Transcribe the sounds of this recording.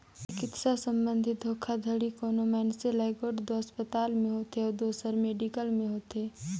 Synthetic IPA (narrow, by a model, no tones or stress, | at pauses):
ɪkɪt̪sasə̃mbə̃nd̪ʱɪt̪̚d̪ʱoːkʰad̪ʱəɽikɔːnomɛːnselaɪɡoːɖd̪oəspət̪aːlmẽɦoːt̪eɔːɾd̪oːsəɾmeːɖikəlmẽɦoːt̪eː